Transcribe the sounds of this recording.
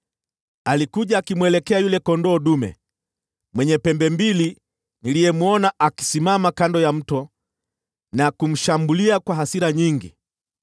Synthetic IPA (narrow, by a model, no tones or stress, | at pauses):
alikuʄaːkimwɛlɛkɛajulɛkɔndɔːɗumɛ̰ | mwɛɲɛpɛmbɛmbili | nilijɛmuɔnaʔaki̥simamakandɔjam̩tɔ | nakum̩ʃambuliakwaɦasiɾaɲiŋɡḭ